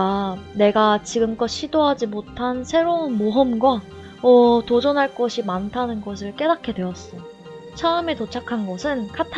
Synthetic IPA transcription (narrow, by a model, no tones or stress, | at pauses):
ane̞ɡat͡ɕiɡɯmk͈ʌɕʰidoɦad͡ʑimotʰansʰe̞ɾounmoɦʌmɡwa | ʌtod͡ʑʌnɦaɭk͈ʌɕʰimantʰanɯnɡʌs̬ʰɯɭk͈e̞dakʰe̞dwe̞ʌs͈ʌj | t͡ɕʰaɯme̞tot͡ɕʰakʰanɡʌsʰɯnkʰatʰ